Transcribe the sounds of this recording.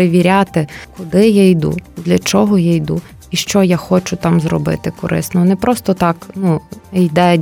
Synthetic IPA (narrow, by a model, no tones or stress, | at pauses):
eʋʲiɾʲat̪ɪkʊd̪ɪjajd̪ṵd̪lʲɐt͡ʃɔɦɔjajd̪u | iʃt͡ʃɔjaxɔt͡ʃʊt̪ɑmzrɔ̰bɪ̰t̪ɪkɔɾʔɪ̰snɔnɛpɾʔɔst̪ɔt̪ɑknujd̪ɛ